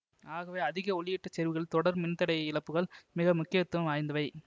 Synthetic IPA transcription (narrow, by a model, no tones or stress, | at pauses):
aːɣɐʋeːɐðɪɣɐɔɭɪjɪʈːɐt͡ʃɛɾʋɯɣɐɭt̪ɔɽɐɾmɪnt̪ːɐɽɐjɐɪlɐpːɯɣɐɭmɪɣɐmʊkːɪjɐt̪ːɯʋɐmʋaːjnd̪ɐʋɐɪ